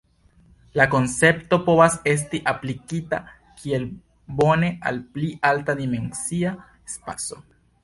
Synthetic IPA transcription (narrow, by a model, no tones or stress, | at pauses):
lako̞nt͡se̞pto̞po̞vase̞s̬tiʔaplikita̰ | kʰie̞l | bo̞ne̞ʔa̰lpliʔaltadime̞nsia | espaso̞